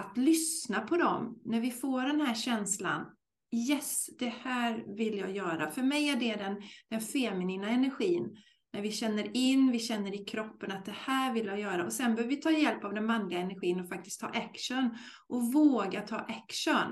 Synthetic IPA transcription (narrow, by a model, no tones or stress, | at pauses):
at̪lʏsnapʰɔd̪ɔmnæɾvɪfoːɖɛnhæːɕɛnsla̰n | jɛsd̪̥ɛhæːɾvɪljɑ̰ːjœːɾafœɾmɛjæɖɛd̪ɛnd̪̥ɛnfɛmɪniːnaɛnæɾɧiːnː | æɾvɪɕɛnːəɾɪnːvɪɕɛnːəɾɪkʰɾɔpːənat̪̚d̪ɛhæːɾvɪlːjajœːɾaʔɔsɛnbœːɾvvɪt̪ʰɑːjɛlpavd̪ɛnmanlɪɡaɛnæɾɧiːənɔfak̚t̪ɪskt̪ʰːɑ̰ːʔækʂən | ʔɔvoːɡat̪ʰɑ̰ːʔækʂən